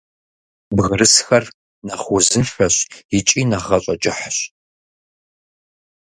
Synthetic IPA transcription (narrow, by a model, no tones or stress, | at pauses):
bɣəɾɨsxɐr | nɐχʷʊzɨfɐɕjɪt͡ʃʼiːnɐʁɐɕʼɐt͡ʃʼɪħɕ